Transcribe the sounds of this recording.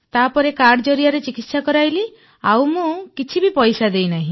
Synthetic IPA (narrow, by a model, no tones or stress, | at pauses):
t̪apɔɾekaɽd͡ʒɔɾiaɾet͡ʃikit̪sakɔɾajli | awmũkit͡ʃʰibipɔjsad̪ejnaɦĩ